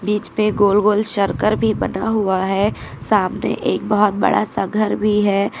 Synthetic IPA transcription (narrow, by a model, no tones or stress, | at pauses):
biːt͡ʃpeɡoːlɡoːlʃəɾkəɾbʱibɐnaɦuaɦɛːsaːmnḛʔeːk̚bɔɦɔt̪̚bə̰ɽa̰səɡʱəɾbʱiɦɛː